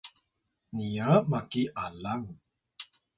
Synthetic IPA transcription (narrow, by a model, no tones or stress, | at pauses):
niamakiʔalaŋ